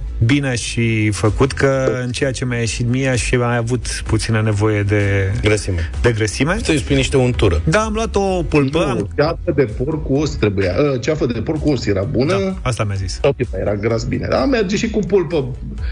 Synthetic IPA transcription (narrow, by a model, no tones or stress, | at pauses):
bineaʃifəkut̪kəɨnt͡ʃejat͡ʃe̞mjajeʃit̪mieaʃajavut̪ | put̪sinəne̞vo̞je̞d̪e̞ɡɾəsimed̪e̞ɡɾəsime̞səispujniʃt̪eunt̪uɾəd̪aːmlwat̪o̞pulpət͡ʃafəd̪e̞porkuost̪ɾe̞buja̰ʔət͡ʃafəd̪eporkuosjeɾabunəast̪amjazissawpipajḛɾaɡɾasbḭnḛd̪amerd͡ʒeʃikupulpə